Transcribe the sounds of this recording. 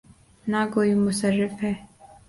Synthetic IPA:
nakoːimʊsərːɪfɦɛː

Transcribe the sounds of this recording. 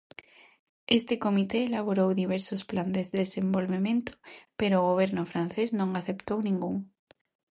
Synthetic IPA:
est̪eko̞mit̪eːlaβ̞oɾowðiβ̞eɾsospland̪ezesembo̞lβemẽ̞nt̪o̥peɾoːɣoβ̞eɾnofɾanθeznõŋaθe̞pt̪ownĩŋɡuŋ

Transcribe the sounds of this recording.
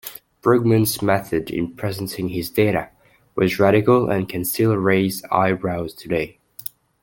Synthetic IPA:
b̥ɹʊɡ̚mɨ̃nzmɛθɨɾɪ̰̃npʰɹ̥ɛzn̩tɪ̃ŋɪzdeɪɾɨ̰ | wʌzɹæɾɨkəl̩ˠə̰̃nkʰɨ̃nstɪlˠɹeɪza̰ɪbɹaʊz̥tʰɨdeɪ

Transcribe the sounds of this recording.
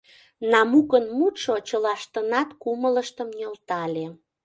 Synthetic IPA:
nɑmukənmut̪ʃot͡ɕəlɑʃt̪ənɑt̪kumələʃt̪əmnʲolt̪ɑlʲe

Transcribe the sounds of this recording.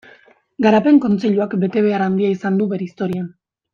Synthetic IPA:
ɡaɾape̞ŋko̞nt͡se̞ʎuakbe̞t̪e̞β̞e̞aɾand̪iaisand̪uβe̞ɾeist̪o̞ɾian

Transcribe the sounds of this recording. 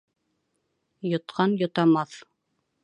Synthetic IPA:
jŏt̪qɑnjŏt̪ɑmɑθ

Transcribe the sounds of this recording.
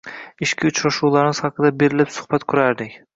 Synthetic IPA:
ɪʃkʲʰɪʊt͡ʃʰɾaʃuwlˠaɾɪnɪz̥hɑqʰɨd̪abe̞ɾɪlɪpsʊ̥hb̥at̪kʰʊɾaɾd̪ɪkʲ

